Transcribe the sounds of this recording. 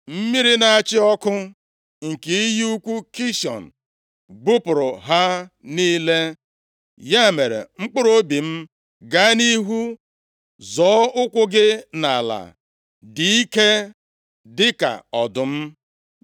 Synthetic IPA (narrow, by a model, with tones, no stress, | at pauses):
m̩˦mi˦ɾi˦na˨a˨t͡ʃɪ˦ɔ˦kʊ˦ | ŋ̩˨ki˨˦ji˦u˦kʷu˦ki˦ʃɔ̰˨n̩˨ | ɡ͡bu˦pʊ˨ɾʊ˨ɦa˦ | niː˦le˦ | ja˦˨me˨ɾḛ˨ŋ͡m̩˦k͡pʊ˦ɾo˦bi˨m̩˦ | ɡa˦ni˦ɦu˦ | zɔː˨˦ʊ˦kʷʊ˦ɡɪ˦na˨la̰˨ | di˨i˦ke˦ | dɪ˦ka̰˨ɔ˨dʊ˨m̩˦